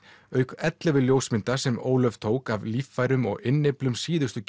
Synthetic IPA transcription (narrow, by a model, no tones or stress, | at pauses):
œːɥkɛt̪lɛvɪljowsmɪnt̪asɛmoːwlœv̥t̪ʰoːwkavliːfːajɾʏmɔ̰ɣɪnːeplʏmsiːðʏst̪ʏc